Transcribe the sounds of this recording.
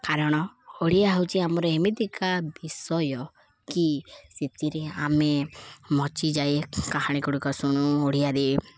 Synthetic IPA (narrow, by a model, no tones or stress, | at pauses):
kaɾɔɽ̃ɔoɽijaɦwt͡ʃiamɔɾɔemit̪ikabisɔjɔ | kiset̪iɾeamemɔt͡ʃid͡ʒajkaɦaɽ̃ikɔɽukɔsuɽ̃uoɽijadi